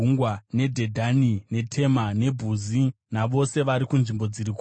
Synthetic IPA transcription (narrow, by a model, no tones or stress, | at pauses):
uŋɡwane̞dʱe̞dʱanine̞tʰe̞mane̞bʱuzinaʋo̞se̞ʋaɾikunʐimbo̞d͡ziɾik